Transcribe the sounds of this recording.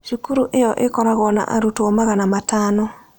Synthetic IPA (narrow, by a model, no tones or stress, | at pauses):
ʃukuɾuʔejɔʔekɔɾaɣɔna̰ʔa̰ɾutɔmaɣanamatanɔ